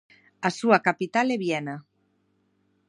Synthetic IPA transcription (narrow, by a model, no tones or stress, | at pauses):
asuakapit̪aleβjɛna